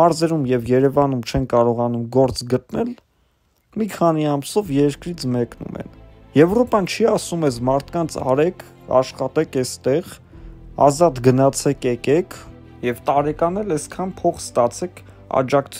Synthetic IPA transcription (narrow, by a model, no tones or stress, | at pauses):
ɑɾzɛɾumjɛvjɛɾɛvɑnumt͡ʃʰɛnkɑɾɔʁɑnumɡɔɾt͡sɡət̪nɛl | mikʰɑn̪iɑmsɔvjɛɾkɾit͡sʰmɛknṵmɛ̰n | jɛvɾɔpɑnt͡ʃʰiɑsumɛsmɑɾt̪ʰkɑnt͡sʰɑ̰ɾɛkʰ | ɑ̰ʃχɑt̪ɛkʰɛst̪ɛʁ | ɑ̰zɑt̪ɡənɑt͡sʰɛkʰɛkɛkʰ | jɛvt̪ɑɾɛkɑnɛlɛskʰɑnpʰɔχst̪ɑt͡sʰɛkʰ | ɑ̰d͡ʒɑkt͡sʰ